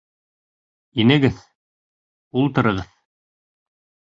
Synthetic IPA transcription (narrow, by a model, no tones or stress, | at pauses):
inɘ̆ɡɘð | ulˠt̪ɤ̆ɾɤ̆ʁɤð